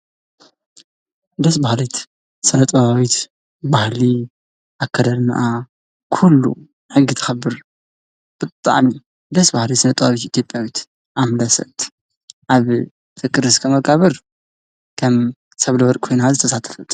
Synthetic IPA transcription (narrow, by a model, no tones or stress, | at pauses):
d̪ɐsbahlit̪ | sɨnɐt̪ʼɐβawit̪ | bahli | ʔakʰːɐd̪ɐlna̰ʔa | kʰulːṵ | ħɨɡːit̪ʰɨ̥xɐbɨɾ | b̥ɨt̪ʼa̰ʕni | d̪ɐsbahlit̪sɨnɐt̪ʼɐβaβit̪it̪ʰjo̞pʼjawit̪ | ʔamlɐsɐ̰t̪ | ʔaβ | t̪ʰɨkʼɨɾɨskʰɐmɐkʼaβɐɾ | kʰɐm | sɐβlɐwɐɾʼkʰo̞jnazɨt̪ʰɐsat̪ʰɐ̥fɨt̪